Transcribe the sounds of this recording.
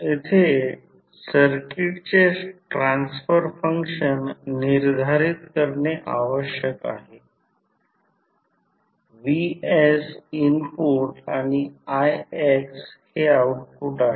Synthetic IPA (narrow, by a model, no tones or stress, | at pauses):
et̪ʰe | səɾkiʈt͡ɕeʈɾansfəɾfəŋkʂənːiɾd̪ʱaɾit̪kəɾɳeʔaʋəɕjəka̰ɦe | ʋiesinpuɾʈaɽ̃iajeksheauʈ̚kuʈaɦ